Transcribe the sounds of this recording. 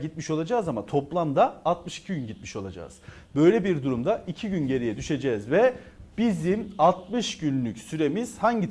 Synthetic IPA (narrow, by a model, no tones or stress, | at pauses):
ɟit̪miʃo̞lˠad͡ʒaːzamat̪ʰo̞plˠamd̪aːlt̪mɯʃi̥cʰiɟynɟit̪̚miʃo̞lˠa̰d͡ʒa̰ːz̥ | bø̞jlʲebiɾd̪uɾumd̪aicʰiɟynɟe̞ɾijɛd̪yʃe̞d͡ʒɛzvɛb̥izimalt̪mɯʃɟynlʲycsyɾe̞miz̥haɲɟit̪